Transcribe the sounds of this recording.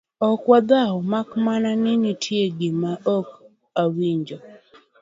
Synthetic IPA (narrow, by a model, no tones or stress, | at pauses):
ɔkwad̪aɔmakmananɪnitʰjeɡɪmaʔɔk | awiɲd͡ʒɔ